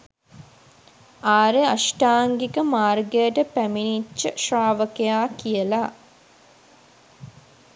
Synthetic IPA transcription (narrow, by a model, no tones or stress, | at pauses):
aːɾeaʃʈaːŋɡikəmaːrɡejəʈəpæminit͡ʃːəʃraːʋəkejaːkijəla